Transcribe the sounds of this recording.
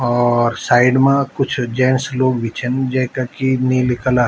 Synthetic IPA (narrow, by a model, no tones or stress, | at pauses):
ɔːɾsaːɪɖmãkʊt͡ʃʰd͡ʒɛ̃ːnsloːɡʋɪt͡ʃʰənd͡ʒɛkakinilɪkəlaː